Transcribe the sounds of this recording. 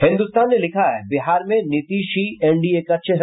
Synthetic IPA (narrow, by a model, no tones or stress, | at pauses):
hɪ̃nd̪ust̪aːnːelɪkʰaɦɛbɪɦaːɾmẽnɪt̪iːʃiɛ̃ɳɖiekɐtːʃʰəɦ